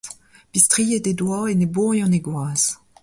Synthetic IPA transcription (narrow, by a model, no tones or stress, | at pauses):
pist̪ʁijededwaenebuʁjɑ̃neɡwaːz